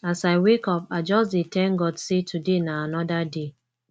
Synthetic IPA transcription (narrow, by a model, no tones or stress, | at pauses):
asaɪwekɔpaɪd͡ʒɔsdetʰɛ̃nɡɔdsetʰudenaanɔdade